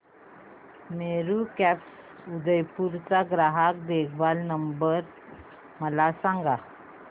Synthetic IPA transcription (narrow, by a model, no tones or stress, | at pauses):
meɾukɛps | ud̪əjpuɾt͡saɡɾaɦak̚d̪ekʰbalnəmbəɾ | məlasãŋɡa